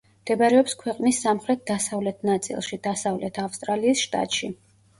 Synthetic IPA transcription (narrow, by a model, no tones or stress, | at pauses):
md̪̥ɛbaɾɛɔpskʰwɛqʼnisːamχɾɛt̪̚d̪asavlɛt̪ʰnat̪sʼḭlˠʃid̪asavlɛt̪ʰafst̪ʼɾaliːsʃt̪ʼa̰t̪ʼʃi